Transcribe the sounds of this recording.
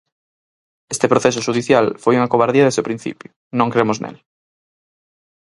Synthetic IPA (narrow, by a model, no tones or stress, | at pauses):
est̪epɾoθesʊʃuðiθjalfojuŋakoβaɾðiɐðezopɾĩn̟θḭpjʊ | nõŋkɾemʊznḛl